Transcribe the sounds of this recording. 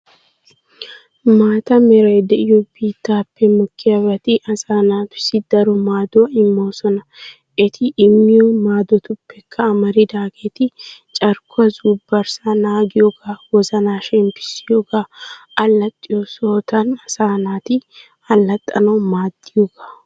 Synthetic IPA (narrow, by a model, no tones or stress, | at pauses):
maːt̪ɐmɛɾɐjd̪ɛʔɪjɔbiːt̪ːaːpːɛmʊkʰːɪɐbɐt̪ɪʔɐsaːnaːpɪ̥sɪd̪ɐɾɔmaːd̪ɔɐɪmːoːsɔnɐ | ʔɪt̪ʰɪʔːmːɪjɔmaːd̪ɔt̪ʊpːɛkʰːɐːmɐɾɪd̪aːɡeːt̪ɪt͡ʃʼɐɾkʰʊɐzuːbːɐɾsanaːɡɪjɔɡaːwɔzɐnaːʃɛmpɪ̥sɪjoɡaɐlːɐt̪ʼːɪjɔsoːt̪ɐnɐsaːnaːt̪ɪ | ɐlːɐt̪ʼːɐnɔmaːd̪̥ːɪjɔɡaː